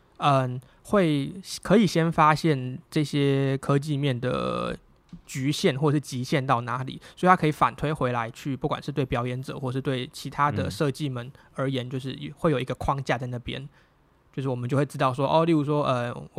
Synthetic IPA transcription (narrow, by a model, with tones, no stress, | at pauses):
ə˨n | xwe˥˩ɪkʰɤ˧˥i˨˩ɕjɛ˥nfa˥ɕjɛ˥˩nʈ͡ʂɤ˥˩ɕjɛ˥kʰɤ˥t͡ɕi˥˧mjɛ˥˩nd̪ə̰˩ | t͡ɕy˧˥ɕjɛ˥˩nxwɔ˥˩ʂɻ̩˥˩t͡ɕi˧˥ɕjɛ˥˧nt̪ɑ˥˩ʊna˧˥lḭ˨˩˦sw̪ʰa˥kʰɤ˧˥i˨˩fa̰˨˩nt̪ʰwe˥ɪxwe˧˥ɪla˧˦ɪt͡ɕʰy˥˩pu˥˩kwa̰˨˩nʂɻ̩˥˧t̪we˥˩ɪpjɑ˧˥ʊjɛ˧˥nʈ͡ʂɤ˨˦xwɔ˥˩˨ʂɻ̩˥˧t̪we˥˩ɪt͡ɕʰi˧˥t̪ʰa˥d̪ə̰˨ʂɤ˥˧t͡ɕi˥˩mə˨˩nə˞˧˥jɛ˧˥nt͡ɕjo˥˧ʊʂ̬ɻ̩˥˩˨xwe˥˩ɪjo˨˩ʊi˧˥ɡə˧kʰwɑ˥ŋt͡ɕja˥˧t͡sa˥˧ɪna˥˩pjɛ̰˥n | t͡ɕt͡ɕjo˥˧ʊʂ̬ɻ̩˥˩wɔ˨˩ə˦t͡ɕo˥˧ʊwe˥˩ɻ̩˥t̪ɑ˥˩ʊʂ̬wɔ˥ʔɔ˥˧li˥˧u˥˩ʂ̬wɔ˥ʔə̰˨